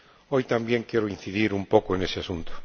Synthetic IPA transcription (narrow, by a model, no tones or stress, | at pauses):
ojt̪ambjeŋkeɾʊin̟θiðiɾumpokʊenesɪasunt̪ʊ̥